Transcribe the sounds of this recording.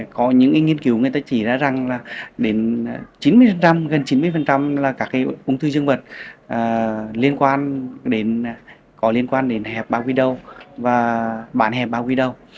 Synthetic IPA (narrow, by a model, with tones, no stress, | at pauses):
kɔ˨˦ɲɨ̰˧˥ŋkːŋi˧ənki˨˦wŋ˨˩əjt̪aː˧˦t͡ɕi˧˩za̰ː˧˥za˨˩ŋlaː˨˩ɗe˨˦n˨t͡ɕi˨˦nmɨ˧əjfə˨˩nt͡ɕa˧mɣə˨˩nt͡ɕi˨˦nmɨ˧jfə˨˩nt͡ɕa˧mlaː˨˩kaː˦˥kːaː˨˦jʔʊ˧ŋ͡mt̪ʰɨ˧zɨ˧əŋvə˨˩t̚ʔəː˨˩li˧ənkwaː˧nɗe˨˦n | kɔ˨˦li˧ənkwaː˧nɗe˨˦nhɛ˨˩p̚ɓaː˧wkwi˧ɗə˧˩wvaː˨˩ɓaː˧˩nhɛ˨˩p̚ɓaː˧wkwi˧ɗə˨˧˩w